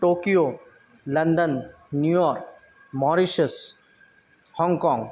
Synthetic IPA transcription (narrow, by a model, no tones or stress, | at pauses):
ʈoːkijo | lɐ̃nd̪ənː | jujɔːɾk | mɔːɾiʃəs | hɔ̃ːŋɡkɔ̃ːŋɡ